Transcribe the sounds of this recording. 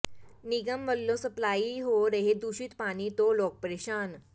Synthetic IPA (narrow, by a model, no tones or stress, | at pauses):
niɡəmʋəlːosəplaiɦoɾeɦed̪uɕiːt̪pañit̪olɔk̚pəɾeɕan